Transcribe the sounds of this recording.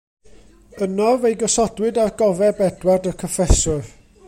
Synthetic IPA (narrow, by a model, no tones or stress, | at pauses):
ənɔvejɡɔsɔdwɨdarɡɔvɛbɛdwardəkʰɔfɛsɔr